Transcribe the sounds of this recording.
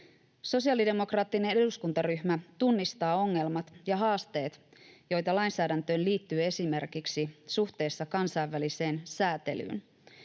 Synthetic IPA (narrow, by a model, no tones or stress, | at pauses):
so̞siɑlide̞mo̞krɑːt̪ːine̞ne̞duskunt̪ɑryçmæt̪unːist̪ɑːo̞ŋːe̞lmɑt̪jɑɦɑːst̪e̞ːt̪jo̞jt̪ɑlɑjnsæːdænt̪ø̞ːnliːt̪ːyːe̞simerkiksisuxt̪e̞ːsːɑkɑnsɑiʋːælise̞ːnsæːt̪ḛly̰ːn